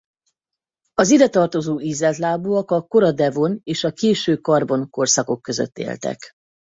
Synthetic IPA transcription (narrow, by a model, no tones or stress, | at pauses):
ɒzid̪ɛt̪ɒrt̪o̞zoːizɛt̪laːbuːɒkɒko̞ɾɒd̪ɛvo̞neːʃɒkeːʃøːkɒrbo̞nko̞rsɒko̞kːøzø̰t̪ːḛːlt̪ɛ̰k